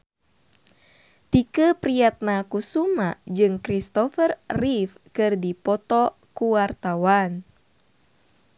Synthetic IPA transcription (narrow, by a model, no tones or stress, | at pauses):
t̪ikəpɾijat̪̚nakusumad͡ʒɨŋkɾist̪ɔfərːifkɨrdipɔt̪ɔ | kuwart̪awan